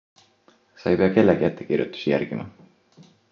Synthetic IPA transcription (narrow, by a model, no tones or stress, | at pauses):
sɑjpeɑke̞lːeɡiæt̪ːekirjṵt̪ːˑu̥sijæ̰rɡ̥imɑ̰